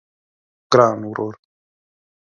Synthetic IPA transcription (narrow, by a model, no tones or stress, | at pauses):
ɡ̥ɾaːnwɾoːɾ